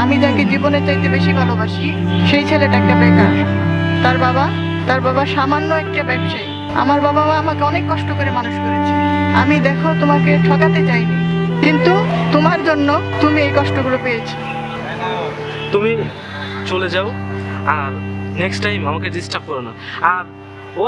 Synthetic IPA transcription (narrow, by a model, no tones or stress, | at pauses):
amid͡ʑaked͡ʑibonet͡ɕajt̪ebeʃibʱalobaʃiʃejt͡ɕʰeleʈaɛk̚ʈabɛkat̪aɾbaba | t̪aɾbabaʃamanːoɛk̚ʈabɛbʃae | a̰maɾbababaamakeɔnekːɔʃʈokoɾemanuʃkoɾet͡ɕʰia̰mid̪ɛkʰot̪omakeʈʰɔkat̪et͡ɕajnikint̪ut̪omaɾd͡ʑonːot̪umiejkɔʃʈoɡulopejet͡ɕʰi | t̪umi | t͡ɕoled͡ʑaoaɾneksʈajmamaked̪isʈap̚kɔɾona̰aɾ